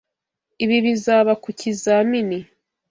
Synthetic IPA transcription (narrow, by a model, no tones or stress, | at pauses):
iβiβizaːβakucizamini